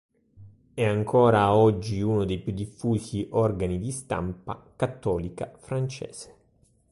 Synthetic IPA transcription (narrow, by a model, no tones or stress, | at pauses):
ɛaŋkɔːɾaɔd͡ʒːiunod̪ejpjud̪ːifːuːziʔɔrɡanid̪ist̪a̰mpa̰kat̪ːɔːlika̰fɾant͡ʃɛ̰ːz̥e̥